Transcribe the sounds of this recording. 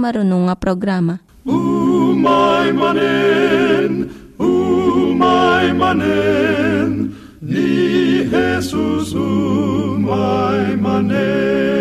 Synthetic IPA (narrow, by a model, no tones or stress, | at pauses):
maɾunuŋapɾoɡɾama | umajmane | n | umajmane | n | iɦesusu | majjmane